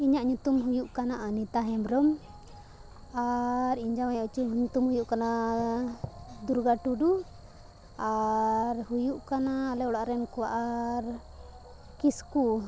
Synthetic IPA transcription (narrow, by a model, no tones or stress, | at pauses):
iɲaʔɲut̪umɦujuʔkanaʔanit̪aɦɛmɾɔm | aɾiɲd͡ʒawajɔʔt͡ʃuɲut̪umhujuʔkana | d̪uɾɡaʈuɖu | aɾhujuʔkanaːlɛɔɽaʔɾɛnkɔwaʔaɾ | kisku